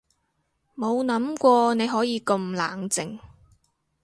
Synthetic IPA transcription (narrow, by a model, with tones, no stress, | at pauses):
mo˨˧wnɐ˨˥mkʷɔː˧ne˨˧jɦɔː˨˥jiː˨˧kɵ˧mla̰ː˨˩ŋt͡sɪ˨ŋ